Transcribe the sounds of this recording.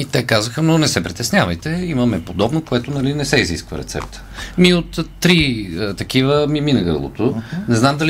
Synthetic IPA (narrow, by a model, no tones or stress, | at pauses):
it̪ɛkazəxənonɛsɛpɾit̪ɛsnʲavəjt̪ɛimɐmɛpod̪ɔbnokoɛt̪ʊnɐlinɛsɛizḭskvə̰ɾɛ̰t̪sɛ̰p̚t̪ə̥miot̪ːɾiət̪ɐkivəmiminɐɡɤ̰lˠo̰t̪onɛznamd̪ɐl